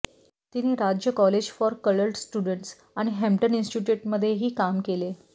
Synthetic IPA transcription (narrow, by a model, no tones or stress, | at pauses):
t̪inːiːɾad͡ʑjəkɔled͡ʑfɔɾkələlʈsʈjuɽəɳʈs | aɽ̃iɦemʈəninsʈiʈjuːʈməd̪ʱːjeɦiːkamkele